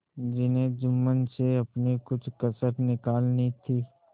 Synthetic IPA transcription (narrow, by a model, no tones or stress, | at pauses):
d͡ʒɪnẽd͡ʒʊmːənseɐpnekʊt͡ʃʰkɐsəɾnɪkaːlnit̪ʰiː